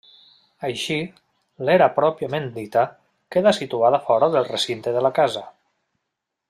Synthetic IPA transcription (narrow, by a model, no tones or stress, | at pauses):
əjʃi | leɾapɾɔpiəmend̪it̪a | keðasit̪uaðafɔɾəðelˠresint̪eðəlakazə